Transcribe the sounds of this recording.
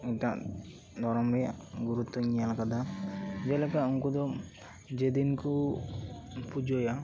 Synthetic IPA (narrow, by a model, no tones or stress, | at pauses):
ɛʈaʔ | d̪ʱɔɾɔmɾɛjaɡuɾut̪ːɔɲijalakad̪ad͡ʒalɛkauŋkud̪ɔ | d͡ʒed̪inku | pud͡ʒɔja